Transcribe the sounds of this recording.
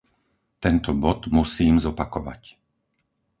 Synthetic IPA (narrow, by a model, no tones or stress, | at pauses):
t̪ɛnt̪ɔbɔd̪musiːmzɔpakɔʋa̰c